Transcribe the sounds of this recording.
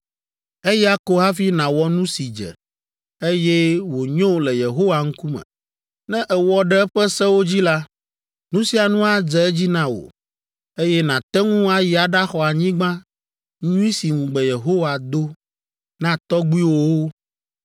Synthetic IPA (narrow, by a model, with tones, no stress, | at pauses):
e˦jɛ˦a˦ko˦ɦa˦fi˦nã˨wɔ˦nũ˦si˨d͡ʒɛ̰˨ | e˦jɛ˦wo˨ɲõ˦lɛ˨je˨ɦo˦wa˨ŋ̩̃˦ku˦mɛ̰̃˨ | nɛ̃˦ʔɛ˨wɔ˦ɖɛ˦ɛ˦ɸɛ˦sɛ˦wo˦d͡ʑi˦la˦ | nũ˦si˨a˨nũ˦a˨d͡ʒɛ˨˦ɛ˦d͡ʑi˦nã˦wo̰˨ | e˦jɛ˦nã˨t̪ɛ˦ŋũ˦a˦ji˨a˨ɖa˦xɔ˨a˨ɲĩ˦ɡ͡bã˦ | ɲũ˦i˦si˨ŋũ˨ɡ͡bɛ˨je˨ɦo˦wa˨d̪o˦ | nã˦t̪ɔ˦ɡ͡bu˦i˦wo˦wo˦